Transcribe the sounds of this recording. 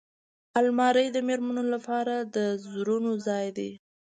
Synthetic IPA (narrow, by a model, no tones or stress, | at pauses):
almɑɾəjd̪əmeɾmənolapɑɾad̪əzɾunozɑjd̪e